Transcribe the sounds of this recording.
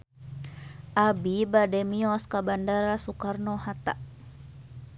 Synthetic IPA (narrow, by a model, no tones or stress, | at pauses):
ʔabibadɛmiɔskabandaɾasukarnɔhat̪a̰ʔ